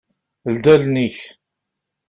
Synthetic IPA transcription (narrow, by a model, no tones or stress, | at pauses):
ld̪ælniç